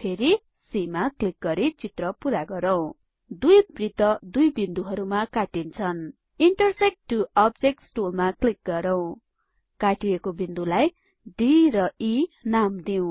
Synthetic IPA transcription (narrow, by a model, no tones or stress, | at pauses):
pʰeɾi | simaklik̚ɡʌɾit͡sit̪rʌpuɾaɡʌɾʌw̃ | d̪ujbrit̪ʌd̪ujbind̪uɦʌɾumakaʈint͡sʰʌn | iɳʈʌrsek̚ʈʈːuʌb̚d͡zek̚ʈsʈulmaklik̚ɡʌɾʌw̃ | kaʈiekobind̪ulaj | ɖiɾʌinamd̪iw̃